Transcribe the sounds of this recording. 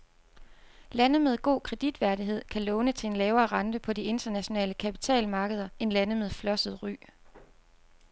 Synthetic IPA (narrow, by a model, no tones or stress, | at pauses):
lænəmeð̞ˠɡ̥o̝̰ːkʰʁɛd̥id̥ʋæɐdiɦe̝ð̞̰ˠkʰælɔ̽ʊnət͡sʰe̝e̝nlɛːʊɐːʁɑ̈nd̥əpʰɒ̽die̝nd̥ɐnæɕo̝nɛ̰ːləkʰæpi̥t͡sʰɛ̰ːlmɑ̈ːɡ̥əð̞ˠɐe̝nlænəmeðˠflɒ̽səð̞̩ˠʁy̰ː